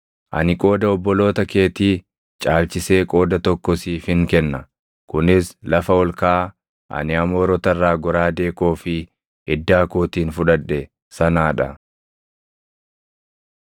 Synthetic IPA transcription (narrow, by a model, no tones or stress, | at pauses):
ʔɐ̰nɪkʼo̞ːd̪ɐɔbːɔlo̞ːt̪ɐke̞ːt̪iː | t͡ʃʼaːlt͡ʃɪse̞ːkʼo̞ːd̪ɐt̪ɔkːɔsifɪŋkɛnːɐ | kʊnɪslɐfɐɔlkaː | ʔɐ̰nɪɐmoːɾɔt̪ɐrːaːɡɔɾaːd̪e̞ːko̞ːfɪ | ɪd̪ːaːkoːt̪iːnfʊᶑɐᶑːɛ | sɐnaːᶑɐ